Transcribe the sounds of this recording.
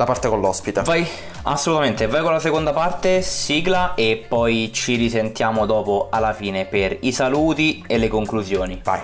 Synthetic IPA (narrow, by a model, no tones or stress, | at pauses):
lapart̪ekonlːɔspit̪evaj | a̰sːolut̪ament̪evːajkolasekond̪apart̪esiːɡlaepːɔjt͡ʃiɾisent̪jaːmod̪ɔːpoalːafiːneperisaluːt̪ielːekoŋkluzjoːniva̰j